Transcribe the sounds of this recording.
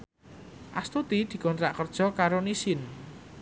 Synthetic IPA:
ʔast̪ut̪id̪̥i̤kɔnt̪ɾaʔkərd̥ʒ̥ɔ̤kaɾonisɪn

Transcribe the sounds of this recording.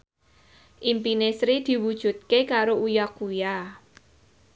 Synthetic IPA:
ʔimpinesɾid̪̥i̤wud̥ʒ̥ṳt̪̚kekaɾoujakuja

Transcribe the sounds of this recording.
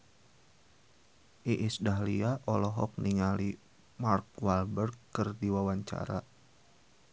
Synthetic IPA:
ʔiʔisdaɦliaʔɔlɔɦɔk̚niŋali | mark̚walbərɡɨrdiwawaɲt͡ʃa̰ɾa̰

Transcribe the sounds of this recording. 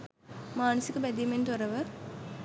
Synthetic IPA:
maːnəsikəbæd̪iment̪oɾəʋə

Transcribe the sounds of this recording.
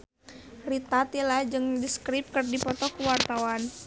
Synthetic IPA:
rit̪at̪ilad͡ʒɨŋdiskɾip̚kɨrdipɔt̪ɔkuwart̪awan

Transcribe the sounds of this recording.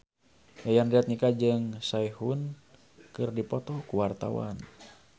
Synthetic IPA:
jajanɡat̪̚nikad͡ʒɨŋsaihun | kɨrdipɔt̪ɔkuwart̪a̰wa̰n

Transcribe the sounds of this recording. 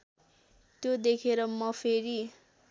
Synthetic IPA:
t̪jod̪ekʰeɾʌmʌpʰeɾi

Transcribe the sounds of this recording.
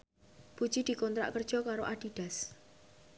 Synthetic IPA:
put͡ʃid̪̥i̤kɔnt̪ɾa̰ʔkərd̥ʒ̥ɔ̤kaɾoʔaɖ̥i̤ɖ̥a̤s

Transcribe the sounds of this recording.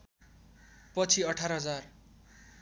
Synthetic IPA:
pʌt͡sʰiʌʈʰaɾʌɦʌd͡zar

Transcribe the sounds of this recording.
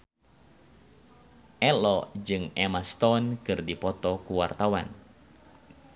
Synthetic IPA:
ʔɛlɔd͡ʒɨŋɛmast̪ɔnkɨrdipɔt̪ɔkuwart̪awan

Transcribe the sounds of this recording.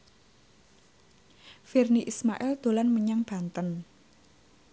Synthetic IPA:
firniʔismaʔɛld̪̥o̤lanməɲaŋb̥a̤nt̪ən

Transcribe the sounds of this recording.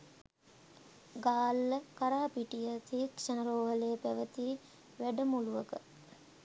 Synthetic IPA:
ɡaːlːəkaɾaːpiʈijət̪ikʂənəɾoːɦəleːpæʋət̪i | ʋæɖəmuluʋəkə

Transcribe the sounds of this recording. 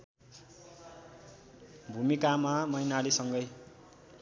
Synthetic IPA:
bʱumikamamʌjnalisʌŋɡʌj

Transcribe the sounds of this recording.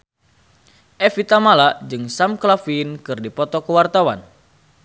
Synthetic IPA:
ʔɛfit̪amalad͡ʒɨŋsamklafinkɨrdipɔt̪ɔkəwart̪awan

